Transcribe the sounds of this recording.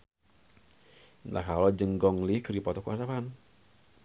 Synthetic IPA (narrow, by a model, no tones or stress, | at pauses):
nla̰hkalod͡ʒəŋɡɔŋlihkəɾipɔt̪ɔkuʔat̪apan